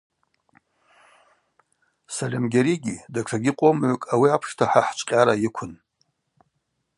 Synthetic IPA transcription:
salʲemɡʲaɾiɡʲidarʰaɡʲɪqʼomʕʷʊkʼawiapʰʂtʰaħaħt͡ʃʷʼqʲʼaɾajikʷʰʊn

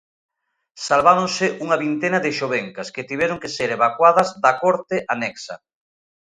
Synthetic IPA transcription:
salβaɾõŋsɪʔuŋɐβint̪enɐðɪʃoβeŋkɐsket̪iβ̞ɛɾoŋkeseɾeβakwaðɐzðɐkɔɾt̪ɪʔanɛksɐ̰

